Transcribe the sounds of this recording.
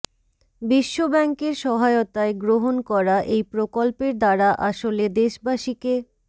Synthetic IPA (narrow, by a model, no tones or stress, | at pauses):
biʃːobɛŋkeɾʃɔɦaeot̪aeɡɾoɦonkɔɾaʔejpɾokolpeɾd̪aɾaʔaʃoled̪eʃbaʃike